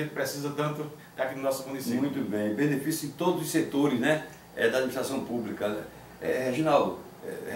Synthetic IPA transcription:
ẽnt̪ɪ̥pɾesizɐt̪ɐ̃nt̪ʊ | d̪akinʊnɔsʊmũnismimũj̃t̪ubẽj̃bẽnefisjʊẽt̪od̪ʊzʊset̪oɾɪznɛ | ɛd̪ɐad̪miniʃt̪ɾasɐ̃w̃publikɐɛ | ɛheʒõnaw | ɛ̰

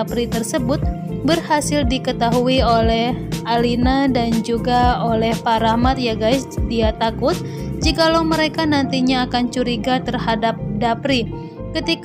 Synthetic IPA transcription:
pɾit̪ərsəbʊt̪̚ | bərhasɪldikət̪aɦuiolɛhʔalinadand͡ʒuɡaolɛhpaɾahmat̪̚jaɡajsdiat̪akʊt̪̚ | d͡ʒikalawməɾekanant̪iɲaːkant͡ʃuɾiɡat̪ərhadap̚dapɾi | kət̪ik

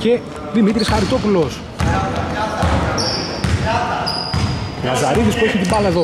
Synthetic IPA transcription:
ce̞ | ðimit̪ɾisxɐɾit̪o̞pulos | ɐzɐɾiðispueçit̪ibɐlɐeðo

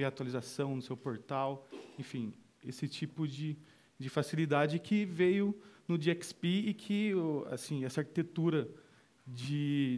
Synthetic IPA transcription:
veɐat̪walizasɐ̃w̃nʊsewpoɾt̪awẽfĩ | esɪt͡ʃipʊd͡ʒɪ | d͡ʒɪfasilid̪ad͡ʒɪkʰɪvejʊnʊd͡ʒiɛkspeːkʰɪa̰sĩɛsaɾki̥t̪et̪uɾɐ | d͡ʒɪ

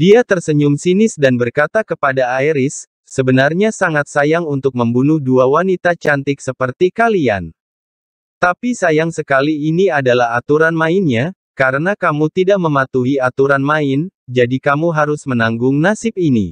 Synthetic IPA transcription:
diat̪ərsəɲʊmsinɪsdanbərkat̪akəpadaːiɾɪsː | əbənarɲasaŋat̪̚sajaŋunt̪ʊk̚məmbunʊhduawanit̪at͡ʃant̪ɪksəpərt̪ikalia̰n | t̪apisajaŋsəkaliːniadalahat̪uɾanmaɪnɲa | kaɾənakamut̪idaʔ̚məmat̪uɦiat̪uɾanmaɪnd͡ʒadikamuɦaɾʊsmənaŋɡʊŋnasɪp̚inḭ

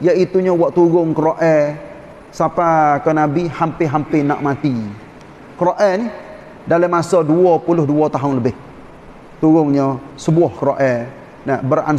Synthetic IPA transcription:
jaʔit̪uɲəwaʔt̪uɣʊŋkəɾoʔɛ | sapakanabihampɪɦampɪna̰ʔmat̪i | kəɾoʔɛni | daləmasɔduɔpulʊhduɔt̪aɦʊnləbɪh | t̪uɣʊŋɲəsəbuɔhkəɾoʔɛ | nabəra̰n

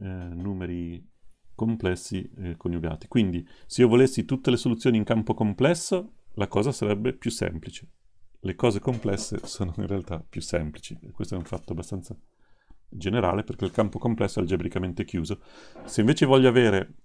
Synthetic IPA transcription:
nuːmeɾi | komplɛsːikonjuɡa̰ːt̪i̥kwind̪iseiːovolesːit̪ut̪ːelesolut̪sːjoːniŋkampokomplɛsːolakɔːzasaɾɛbːepjusːɛ̰mplit͡ʃe̥ | lekɔːzekomplɛsːḛsoːnoḭnrealt̪apːjusːɛmplit͡ʃikwest̪oɛuɱfat̪ːoabːast̪ant̪sa | d͡ʒeneɾa̰ːleperkeilkampokomplɛsːoɛld͡ʒebɾikament̪ekjuːzoseiɱveːt͡ʃevɔʎːoaveːɾe

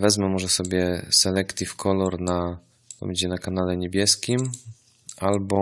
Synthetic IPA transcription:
vɛzmɛmɔʐɛsɔbʲjɛsɛlɛkt̪ʲifkʰɔlɔɾna | pɔ̰mʲd͡ʑid͡ʑɛnakan̪alɛɲebʲjɛskʲim | ʔalbɔ

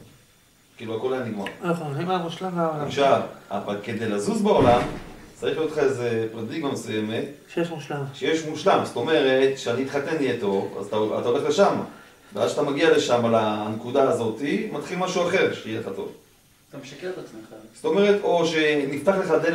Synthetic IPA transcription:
kiːluako̞lajaniɡma̰naχuimamuʃlambaolaaʃava̰valke̞d̪e̞jlazuzbeo̞lamt͡saʁiχlijotlχaeze̞pʁadiɡmamesuje̞me̞tʃejeʃmuʃlamʃejeʃmuʃlamso̥t̪o̞me̞ʁe̞t̪ʃeaniit̪χat̪e̞nijet̪o̞va̰zat̪aoa̰t̪ao̞le̞χle̞ʃam | beazʃat̪amaɡiale̞ʃamalanekudaːzo̞timat̪χilmaʃuaχe̞ʁʃeijeleχat̪o̞̰v | t̪ameʃaket̪at͡smeχaz̥o̥to̞me̞ʁe̞to̞ʃe̞nift̪aχle̞χad̪e

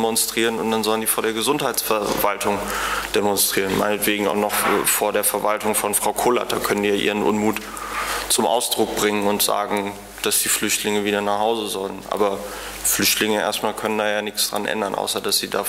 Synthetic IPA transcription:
mɔnstʁ̥iːʁənʊntd̥anzɔləndiːfoːɐɾdeːɐɡəzʊnthaɪt͡sfɛɐvaltʰʊŋd̥emɔnstʁ̥iːʁənmaɪnətv̥eːɡŋ̩a̰ʊxnɔχfoːɐdeːɐfɛɐvaltʊŋfɔnfʁ̥aʊkʰoːla̰td̥aːkʰœnəndiːjaːʔḭːʁ̞ənʔʊ̰nmuːt | t͡sʊmʔa̰ʊsd̥ʁʊk̚b̥ʁɪŋənʊntz̥a̰ːɡŋ̩ | d̥asd̥iːflʏçtlɪŋəviːdɐnaːχhaʊzəzɔlənʔa̰ːbɐ | flʏçtlɪŋəʔḛːɐstmaːlkʰœnəndaːjaːnɪçt͡sd̥ʁa̰nʔɛ̰ndɐnʔa̰ʊsɐdasz̥iːda̰ː

